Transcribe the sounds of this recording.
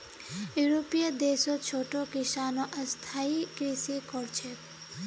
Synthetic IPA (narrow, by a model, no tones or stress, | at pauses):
juɾopijəd̪eːsot͡ʃʰoːʈokɪsaːnõʔɐst̪ʰaːikɾisikɔɾt͡ʃʰe